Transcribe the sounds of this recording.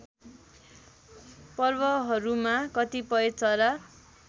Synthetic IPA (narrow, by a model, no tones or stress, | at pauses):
pʌrbʌɦʌɾumakʌt̪ipʌjet͡sʌɾʌ